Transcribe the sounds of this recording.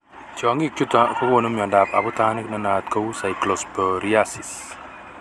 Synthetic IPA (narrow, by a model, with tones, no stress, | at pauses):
t͡ʃɔ˨ŋi˦u˦t̪ako˦ko˦˨nu˦mjɔ˨nda˨pa̰˨bu˦t̪a˦ni˦kna˦na˨t̪̚ko˦wu˦sa˨jklɔ˨spɔ˨ɾia˦si˨s